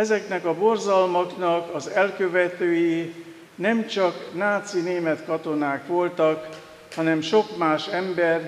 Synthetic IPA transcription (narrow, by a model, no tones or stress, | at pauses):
ɛzɛknɛkɒbo̞rzɒlmoknɒkɒzɛlkø̞vɛt̪øːji | nɛmt͡ʃɒknaːt̪sineːmɛt̪kɒt̪o̞naːkʋo̞lt̪ɒk | hɒnɛmʃo̞kmaːʃɛmbɛr